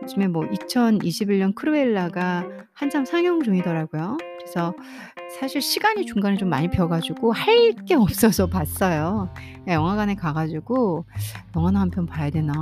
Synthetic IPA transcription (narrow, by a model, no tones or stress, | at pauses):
t͡ɕimemwʌʔit͡ɕʰʌniɕʰibiɭɲʌnkʰɯɾɯeɭːaɡa | hant͡ɕʰamsʰaŋjʌŋd͡ʑuŋidʌɾaɡujokɯɾe̞sʰʌ | sʰaɕʰiɭɕʰiɡaɲit͡ɕuŋɡanet͡ɕomːa̰ɲipjʌɡad͡ʑuɡohaɭk͈e̞ʌp̚s͈ʌsʰʌpas͈ʌjo | ejʌŋɦaɡanekaɡad͡ʑiɡojʌŋɦanahampʰjʌnpajadwe̞na